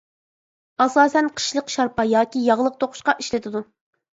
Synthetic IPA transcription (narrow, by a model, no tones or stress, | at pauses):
ɑsɑːsɛnqʰə̥ʃlˠəqʃɑɾpɑjɑːkʲijɑʁlˠəq̚t̪ʰoqʰʊ̥ʃqɑʔiʃlɪt̪ʰɪd̪u